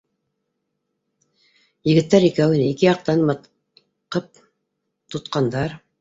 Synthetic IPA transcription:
jɘ̆ɡɘ̆t̪ːæɾikæwinɘikɘjɑq̚t̪ɑnmɤ | qɤp̚ | t̪ŏt̪qɑnd̪ɑɾ

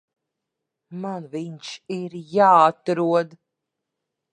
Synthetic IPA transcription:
manviɲʃiɾjaːt̪ɾuɔd̪

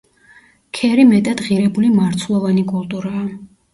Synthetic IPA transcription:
kʰɛɾimɛt̪ʼad̪̥ʁiɾɛbulimaɾt̪sʰlˠɔvanikʼulˠt̪ʼuɾaː

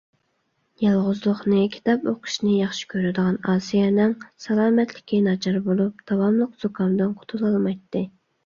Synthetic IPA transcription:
jɑlˠʁʊzlˠʊχnɨkʲʰi̥t̪ɑpoqʰʊ̥ʃnɪjɑχʃi̥kʲʰøɾɪd̪əʁɑnɑːsijɛnɪŋsɑlˠɑːmɛt̪lɪkʲinɑt͡ʃʰɑɾbolˠup̚d̪̥ɑwɑmlˠəqz̥okʰɑnd̪ɨnqʰo̥t̪ʰulˠɑlˠmɑjt̪ʰːɨ

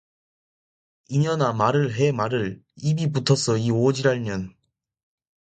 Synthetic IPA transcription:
iɲʌnamaɾɯɭɦemaɾɯɭ | ibibutʰʌsʰʌiod͡ʑiɾaɭɲjʌn

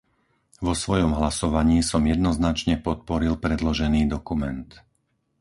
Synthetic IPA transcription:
ʋɔsʋɔjɔmɦlasɔʋaɲiːsɔmjɛd̪nɔznat͡ʃɲɛpɔt̪̚pɔɾilpɾɛd̪lɔʒɛniːd̪ɔkumɛnt̪

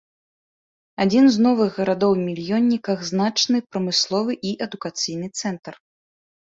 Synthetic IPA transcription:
ad͡zʲinznɔvɨɣɣɐɾad̪ɔwmʲilʲjɔnʲːikɐɣznat͡ʂnɨpɾɐmɨslˠɔvɨʔiʔɛd̪ukat̪sɨjnɨt̪sɛnt̪ɐr

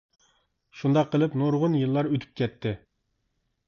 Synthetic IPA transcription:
ʃund̪ɑqʰːəlˠɨpnoɾʁʊnjɨlˠːɑɾøt̪ʰy̥p̚kʲɛt̪ʰːɪ

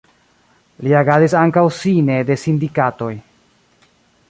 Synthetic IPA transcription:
liaɡazisaŋkawsine̞de̞sindikato̞j

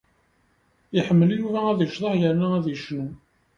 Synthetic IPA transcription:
iħəmːəlijuvææðiʃðˤɑħjəɾnaæðiʃnu

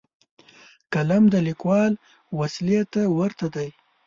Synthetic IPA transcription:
kalamd̪əlikwɑl | waslijat̪ːawəɾt̪ad̪aj

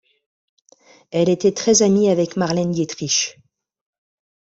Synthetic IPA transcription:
ɛlet̪ɛt̪χɛzamiavɛkmaʁlɛndet̪χiʃ

